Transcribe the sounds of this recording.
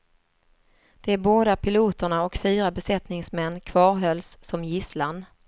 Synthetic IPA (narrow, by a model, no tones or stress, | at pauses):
d̪̥ɛæɾboːd̪apʰɪluːt̪əɳaɔkfyːɾabɛsɛt̪nɪŋsmɛnːkʰvɑːɾɦœlsːɔmjɪslan